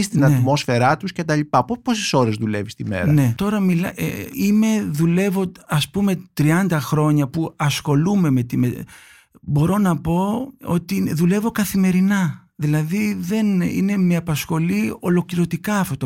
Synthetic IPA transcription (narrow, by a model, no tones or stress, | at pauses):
ist̪inɐnt̪mo̞sfe̞ɾɐt̪usce̞t̪ɐlipɐpoposeso̞ɾe̞zðulevist̪imḛɾɐnne̞t̪o̞ɾɐmilɐʔime̞ðule̞vo̞ɐspume̞t̪ɾiɐnd̪ɐxɾo̞ɲɐpuɐsxo̞lume̞met̪ime | bo̞ɾo̞nɐpo̞o̞̰t̪iðule̞vo̞kɐθime̞ɾinɐ | ðilɐðiðe̞nḭne̞meɐpɐsxo̞lio̞lo̞kliɾo̞t̪ikɐːft̪ot̪